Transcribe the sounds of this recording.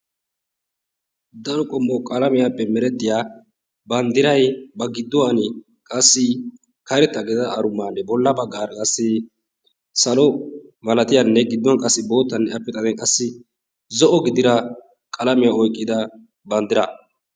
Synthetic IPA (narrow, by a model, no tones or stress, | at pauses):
d̪ɐɾɔkʼɔmːɔkʼɐlɐmɪjapːɛmɛɾɛt̪ːɪjaː | bɐnd̪ɪɾɐjbɐɡɪd̪ːɔwɐnɪ | kʼɐsːɪ | kɐɾɛt̪ːɐɡɛzɐːɾʊmːaːnɛbɔlːɐbɐɡaːɾɐkʼɐsːɪ | sɐlɔmɐlɐt̪ɪjɐnːɛɡɪd̪ːɔnkʼɐsːɪbo̞ːt̪ːɐnːɛɐpːɛt̪ʼɐnɛkʼɐsːɪ | zɔʔɔɡɪd̪ɪɾɐ | kʼɐlɐmɪjaɔjkʼːɪd̪ɐ | bɐnd̪ɪɾɐ